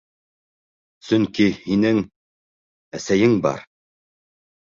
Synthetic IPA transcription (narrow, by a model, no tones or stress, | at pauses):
sɵŋkihinɘŋ | æsæjɘŋbɑ̰ɾ